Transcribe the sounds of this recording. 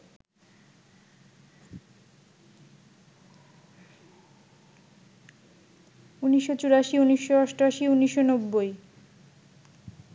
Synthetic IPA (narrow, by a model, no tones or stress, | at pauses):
uniʃːot͡ɕuɾaʃiuniʃːoaʃʈoaʃiuniʃːonobːoj